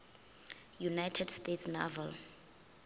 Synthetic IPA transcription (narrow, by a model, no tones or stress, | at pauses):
junajtʰɛdstetsnɔ̰vɛl